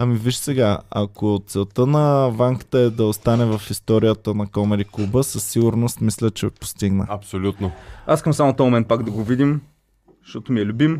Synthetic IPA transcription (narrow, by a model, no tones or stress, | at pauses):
ɐmiviʃsɛɡaɐ̰kott̪sɛlˠt̪ənɐvaŋkə̥t̪əɛd̪ɐost̪anɛvɐfist̪ɔɾijət̪ənɐkɔmɛɾiklˠubəsəsːiɡʊɾnost̪mislʲət͡ʃɛpo̥st̪iɡnə̰ɐpsolʲut̪noaskəmsamot̪omomɛn̚pakd̪ɐɡovid̪im | ʃt̪ɔt̪omiɛlʲubim